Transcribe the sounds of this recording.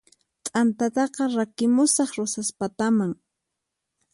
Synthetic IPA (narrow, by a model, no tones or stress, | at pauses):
t̪ʼant̪at̪ɑqɑɾakɪmʊsɑχɾosaspat̪amaŋ